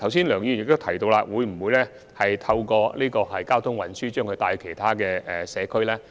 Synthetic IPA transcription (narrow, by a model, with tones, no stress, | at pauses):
t̪ʰɐ˨˩ws̬iː˥nlœː˨˩ŋjiː˧˨jɪ˨k̚t̪o˥wtʰjt̪o˧wlaː˧wuː˨˧jm̩˨˩wuː˨˧jlɛː˥ | hɐ˨jt̪ʰɐ˧wkɔː˧liː˥kɔː˧hɐ˨jkaː˥wt̪ʰʊ˥ŋwɐ˨˩nsyː˥t͡ʃœː˥ŋkʰɵ˧jt̪aː˧jkʰe˨˩jt̪ʰaː˥kɛː˧ɛ˨˩sɛː˨˧kʰɵ˥ɥlɛː˥